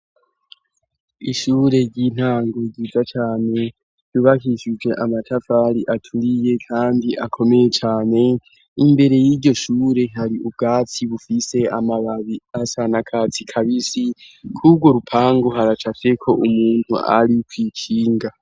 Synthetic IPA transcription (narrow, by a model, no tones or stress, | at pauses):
iʃuːɾe̞ɾɟin̥haːŋɡo̞ɡiːzat͡ʃaːne̞ | juβakiʃid͡ʒwe̞ʔamatʰafaɾiʔatʰuɾije̞kʰaːndiʔa̰kʰo̞me̞je̞t͡ʃaːne̞ | imbe̞ɾe̞jiɾɟo̞ʃuːɾe̞ɦaɾiʔub̚ɡaːt͡siβufise̞amaβaβiasanakʰat͡sikʰaβisikʰub̚ɡwo̞ɾupʰaːŋɡo̞ɦaɾat͡ʃase̞kʰo̞ʔumuːn̥hṵʔa̰ɾiukwiːt͡ʃiːŋɡa